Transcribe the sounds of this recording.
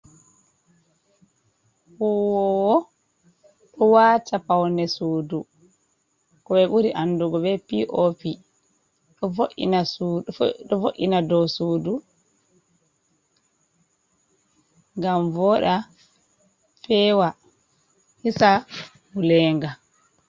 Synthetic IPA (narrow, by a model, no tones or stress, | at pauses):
huwɔɔ | ɗɔwaːtapawnɛsuːdu | kɔɓɛɓuɾiʔanduɡɔɓɛpiʔopi | ɗɔfoʔḭnasuɗɔfoʔḭnadɔwsuːdu | ŋɡamvɔɗa | fɛwa | hisa | hulɛːŋɡa